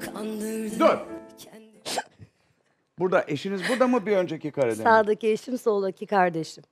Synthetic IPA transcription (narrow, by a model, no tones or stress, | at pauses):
anlˠɯd̪øɾʰ | buɾd̪aʔe̞ʃinizbuɾd̪amubiø̞nd͡ʒɛcjikʰaɾed̪isaːd̪ɯcieʃimsoːlˠacʰikʰaɾd̪e̞ʃim